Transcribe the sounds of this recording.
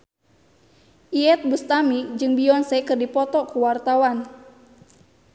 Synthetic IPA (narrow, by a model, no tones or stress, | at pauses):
ʔiɛt̪̚bust̪amid͡ʒɨŋbiɔnsɛkɨrdipɔt̪ɔkuwart̪awan